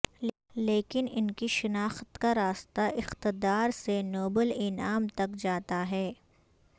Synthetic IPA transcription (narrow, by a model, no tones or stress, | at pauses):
leːkɪnɪnkiʃɪnaːxt̪kaɾaːst̪aʔɪxt̪ɪd̪aːɾsenoːbəlɪnaːmt̪ɐkd͡ʒaːt̪aɦɛː